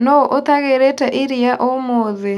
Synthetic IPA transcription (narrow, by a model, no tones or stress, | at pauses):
nɔʔot̪aɣeɾɛtaʔiɾiaʔɔmoðe